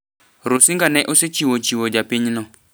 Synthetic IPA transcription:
ɾosiŋɡanɛʔʊset͡ʃiwɔt͡ʃiwɔd͡ʒapɪɲnɔ

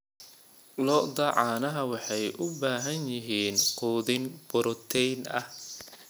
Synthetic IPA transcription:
lɔdɐʕɑːnɐɦɐwɑħɑjʔʊbaːɦɐnjɪɦiːnquːðɪnb̥ʊɾʊt̪ʰɛjnɐh

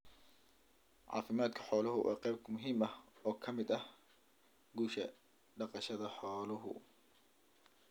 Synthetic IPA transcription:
ʕɑ̰ːfɪmaːd̪kʰɐ̥ħɔːlɐɦʊwʔa̰ːqɛjb̚kʰɐmʊɦiːmɐɔːkʰɐmɪd̪ɐh | ɡuːʃɐ | ɖɑqɑʃɐðɐħɔːlʊɦʊ̰

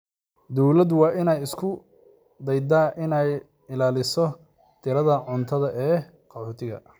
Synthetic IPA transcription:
d̪ɔwlɐd̪wɑːʔɪnɛjɪskʰʊ | d̪ɛjd̪aːʔɪnɛj | ɪlaːlɪsɔ | t̪ʰɪɾɐðɐʕʊnt̪ʰɐðɐʔɛː | qɑħuːt̪ʰɪɣɐ̰

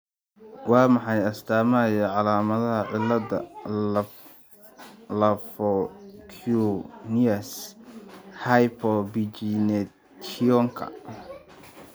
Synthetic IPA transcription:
wɑːmɑħɑjɐst̪ʰaːmɐjɐʕɑlaːmɐðɐɦɐʕɪlːɐdɐ̰ | lɐfɔkʰuniɐs | hajpʰɔbit͡ʃinɛ | kʰiɔŋkʰɐ̰

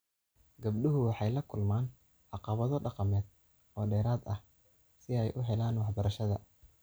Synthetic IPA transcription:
ɡɐb̚ɖʊɦʊwɑħɑjlɐkʰʊlmaːn | ʕɑqɑβɐðɔɖɑqɑmɛːd̪̚ | ɔːɖɛːɾaːd̪ɐh | sɪɛjʔʊɦɛlaːnwɑħbɐɾɐʃɐðɐ

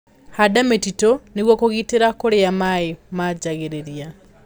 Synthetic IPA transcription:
hadametitoneɣwɔkoɣiːteɾakoɾeamaemad͡ʑaɣeɾeɾja

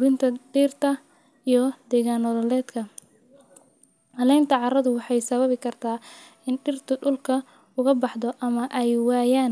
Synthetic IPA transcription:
ɾɪnt̪ʰɐɖiːrt̪ʰɐ | ijɞd̪̥ɛːɣanɔðɔlɛːd̪kʰɐ | hɐlɛjnt̪ʰɐʕɑrɐðʊwɑħɑjsɐβɐβɪkʰɐrt̪ʰaː | ɪnɖɪrt̪ʰʊɖʊlkʰɐ | ʊɣɐbɑħðɔʔɐmɐʔɛjwɑːjaːn

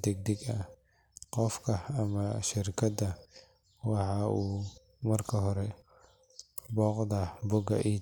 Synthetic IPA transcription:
d̪ɛɡ̚d̪ɛɡɐ | qɔfkʰɐɐmɐʃɪɾkʰɐd̪ɐ | wɑħɑːʔuː | mɐrkʰɐɦɔɾɛ | bɔːqd̪ɐbʊɡɐ̰ʔiː

